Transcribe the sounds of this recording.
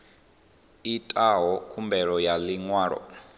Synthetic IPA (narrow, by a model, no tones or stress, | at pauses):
itʼaɦɔkʰumbɛɺɔjaliŋwaːɺɔ̰